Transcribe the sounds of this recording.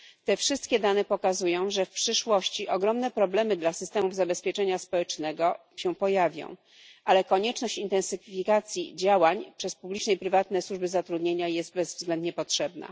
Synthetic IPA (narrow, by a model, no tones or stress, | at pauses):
t̪ɛfʂɘst̪̚kʲɛd̪anɛpɔkazujɔ̃w̃ʐɛfpʂɘʂwɔɕt͡ɕiʔɔɡɾɔmnɛpɾɔblɛmɘd̪lasɘst̪ɛmuvzabɛspʲjɛt͡ʂɛɲaspɔwɛt͡ʂnɛɡɔ | ɕɛ̃pɔjavʲjɔ̰̃w̃ | ʔalɛkɔɲɛt͡ʂnɔɕt͡ɕint̪ɛ̃nsɘfʲikat̪sʲjḭd͡ʑawaɲpʂɛspublʲit͡ʂnɛjpɾɘvat̪nɛswuʐbɘzat̪ɾud̪ɲeɲajɛst̪̚bɛzvzɡlɛnd̪ɲɛpɔtʂɛbna̰